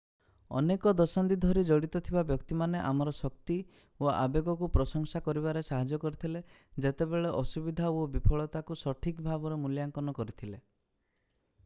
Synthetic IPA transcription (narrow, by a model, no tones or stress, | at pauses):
ɔ̰nekɔd̪ɔsant̪id̪ʱɔɾid͡ʒɔɽit̪ɔt̪ʰibabjɔkt̪imaneʔamɔɾɔsɔkt̪i | oʔa̰beɡɔkupɾɔsɔŋsakɔɾiβaɾesaɦad͡ʒɔkɔɾit̪ʰile | d͡ʒet̪ebeɭeʔɔsubid̪ʱaobipʰɔɭɔt̪akusɔʈʰikbʱabɔɾɔmuljaŋkɔnɔkɔɾit̪ʰile